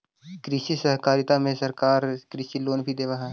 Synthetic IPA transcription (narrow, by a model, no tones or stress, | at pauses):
kɾisisəɦkaːɾɪt̪amẽsɐɾkaːɾkɾisiːloːnbʱid̪eːʋaɦɛː